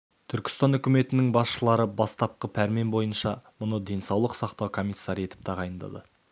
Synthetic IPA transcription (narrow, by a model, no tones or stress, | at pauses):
t̪ʰʏɾkʲɪ̥st̪ɑnʏkʲɪme̞t̪ɪnɪŋbɑsʃəlˠɑɾəbɑst̪ɑp̚qəpʰæɾme̞mbo̞jənʃɑmʊnəd̪e̞nsɑwlˠəqsɑqt̪ɑwkʰo̞mijsːɑɾijet̪ɪ̥p̚t̪ʰɑʁɑjənd̪ɑ̰d̪ə